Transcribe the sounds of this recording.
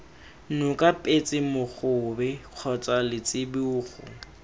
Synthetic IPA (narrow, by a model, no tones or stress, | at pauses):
nʊkʼapʼet͡sʼɪmʊχʊbɛq͡χʰɔt͡sʼalɪt͡sʼɪbuːχʊ̰